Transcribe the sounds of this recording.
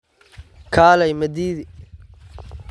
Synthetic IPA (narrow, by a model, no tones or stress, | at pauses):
kʰaːlɛjmɐd̪iːði